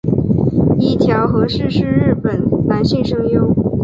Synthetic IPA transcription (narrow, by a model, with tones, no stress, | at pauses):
i˥˩t̪ʰjɑ˧˥ʊxɤ˧˥ʂɻ̩˥˧ʂɻ̩˥˧ɻɻ̩˥˩pə˨˩nla˧˥nɕi˥˩ŋʂɤ˥ŋjo˥ʊ